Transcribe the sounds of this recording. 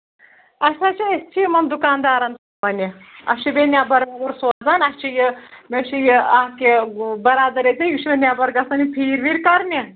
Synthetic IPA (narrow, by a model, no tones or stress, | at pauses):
ɐʃʰat͡ʃʰiest͡ʃʰijmɐnd̪ukaːnd̪aːɾɐnsɐmɐnʲiɐ̰t͡ʃʰibenʲaːbɐɾuɾsoːzaːnɐst͡ʃʰijɨmʲeʃijiaːkebɐɾaːd̪ɐɾet̪ʰʲejuʃmɐnʲaːbɐɾɡɐsɐnʲipʰiːɾʋiɾkɐɾnʲi